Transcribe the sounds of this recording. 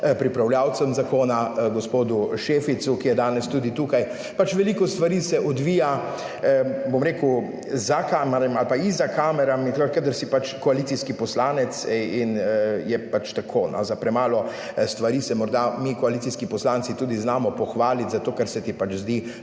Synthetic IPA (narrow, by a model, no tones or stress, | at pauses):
pɾipɾawljaːwt̪səmzakoːnaɡɔspoːd̪uʃeːfit̪sukijɛd̪aːnɛst̪uːd̪it̪uːkaj | pat͡ʃʋɛliːkɔst̪ʋaɾisɛʔɔd̪ʋiːja | bomɾeːkw | zakaːmɾamalpaizakʰaːmɛɾamint̪əkəd̪əɾsipat͡ʃkɔalit̪iskipɔslaːnɛt̪sinjɛpat͡ʃt̪akʰoːnʔɔ̰zapɾɛmaːlɔ | st̪ʋaɾiːsɛmɔɾd̪amikɔalit̪siskipɔslaːnt̪sit̪uːd̪iznaːmɔpɔxʋaːlit̪zat̪oːkɛɾsɛt̪ipat͡ʃzd̪i